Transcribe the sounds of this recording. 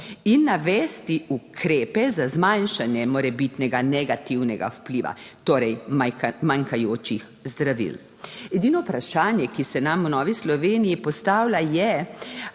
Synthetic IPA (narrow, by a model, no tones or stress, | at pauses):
inːaʋɛːst̪iukʰɾeːpɛzazmajnʃanjɛmɔɾɛbit̪nɛɡanɛɡat̪iwnɛɡa̰wpliːʋa̰t̪oːɾɛjmaŋkajoːt͡ʃix | zd̪ɾaʋḭl | ɛd̪iːnɔpɾaʃaːnjɛkisɛnamunɔːʋislɔʋeːnijipɔst̪aːwlajɛ